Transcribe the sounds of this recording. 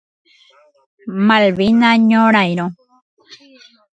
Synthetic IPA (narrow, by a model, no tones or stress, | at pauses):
malβinaɲoɾajɾo